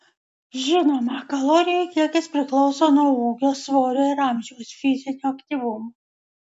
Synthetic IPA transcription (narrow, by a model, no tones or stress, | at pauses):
ʒʲɪnoːmɐkɐlˠoːɾʲɪjɛjkʲiɛkʲɪspʲɾʲɪklˠɔʊsoːnuɔuːkʲoːsʋoːɾʲoɪɾɑˑmʲʒʲɛwsfʲɪzʲɪnʲuɐkt̪ʲiʋʊmo